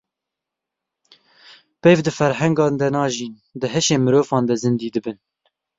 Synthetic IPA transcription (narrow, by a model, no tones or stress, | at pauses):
pejvd̪ɨfɛɾɦɛŋɡɑːnd̪ɛnɑːʒiːn | d̪ɨɦɛʃeːmɨɾoːvɑːnd̪ɛzɨnd̪iːd̪ɨbɨn